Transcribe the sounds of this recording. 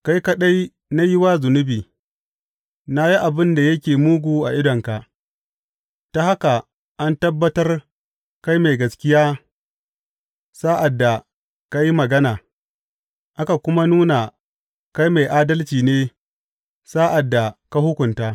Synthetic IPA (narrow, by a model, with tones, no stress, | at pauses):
ka˦jka˦ɗa˦j | na˦jɪ˦wa˦zʊ˨nʊ˦biː˨ | na˦ji˦ʔa˨bɪ˦nda˨jɐ˦kʲeː˨muː˦ɡʷuː˨ʔa̰˨ʔɪ˦dɔ˨ŋka˨ | ta˦ha˦ka˨ | ʔa˦ntɐ˦bːɐ˦tɐ˦r | ka˦jma˨jɡɐ˨skʲɪ˦jaː˦ | saː˦ʔa˨dːa˨ | ka˦ji˦mɐ˨ɡɐ˦naː˨ | ʔa˦ka˨kʷʊ˦ma˦nuː˦na˨ | ka˦jma˨jʔaː˦dɐ˦lt͡ʃiː˨neː˦ | saː˦ʔa˨dːa˨ka˦hʊ˦kʷʊ˨ntaː˦